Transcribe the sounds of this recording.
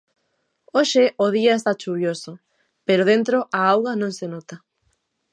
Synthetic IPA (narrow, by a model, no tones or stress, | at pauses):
oʃeoð̞iaest̪at͡ʃuβjoso | peɾoðent̪ɾoʔaawɣanõŋsenot̪a